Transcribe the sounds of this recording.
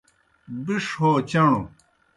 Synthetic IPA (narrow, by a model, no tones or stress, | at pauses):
biʂoːt͡ɕɐɳu